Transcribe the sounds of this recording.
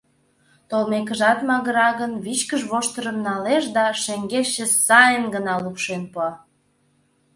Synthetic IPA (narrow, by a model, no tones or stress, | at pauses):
t̪olmek̬əʒɑt̪mɑɣə̆ɾɑɣənβit͡ɕkəʒβoʃt̪əɾə̆mnɑleʃd̪ɑʃeŋɡeʃːesɑjənɡənɑlupʃenpoɑ